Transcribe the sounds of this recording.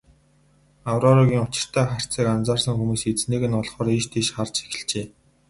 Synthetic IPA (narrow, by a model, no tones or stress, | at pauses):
awrɔːɾɔɣʲiːŋʊt͡ɕɪ̥̆r̥t̪ʰæːχar̥ʲt͡siːkant͡saːrsə̆ŋxumuːset͡sneːɣɘ̆nɔɮχɔːɾiʃt̪ʰeʃχart͡ɕe̥xɘ̆ɮt͡ɕeː